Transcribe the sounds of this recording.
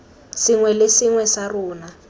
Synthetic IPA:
siŋwɛlesɪŋwɛsaruːna

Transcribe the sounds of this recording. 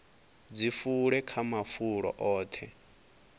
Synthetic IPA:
d͡zifuɺɛkʰamafuɺɔ̰ʔɔːt̪ʰɛ

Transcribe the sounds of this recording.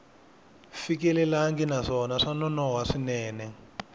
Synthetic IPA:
fikɛlɛlaŋɡinaʂɔnaʂanɔnɔɦwaʂinɛːnɛ

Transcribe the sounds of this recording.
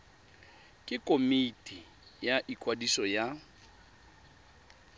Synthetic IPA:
kʼɪkʼomitʼi | jaʔikʼwadisɔja

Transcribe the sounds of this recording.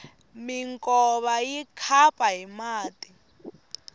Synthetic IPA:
miŋkʼɔβajikʰapʼaɦimaːti

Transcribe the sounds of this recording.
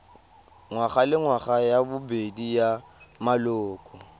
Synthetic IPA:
ŋwaχalɪŋwaχajabʊbedijamalʊːkʼɔ

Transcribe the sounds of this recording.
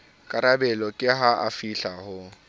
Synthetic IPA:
kʼaɾabɛlɔkʼɪɦaʔafiɬahʊ

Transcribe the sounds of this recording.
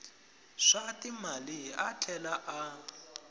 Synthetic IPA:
ʂatimalia̰t͡ɬʰɛlaʔa

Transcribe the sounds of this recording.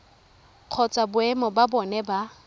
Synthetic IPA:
q͡χʰɔt͡sʼabʊɛmɔbabɔnɛba

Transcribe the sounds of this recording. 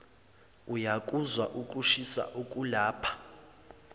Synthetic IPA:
ujakʼuzwaʔukʼuʃisa̰ʔukʼulaːpʰḁ

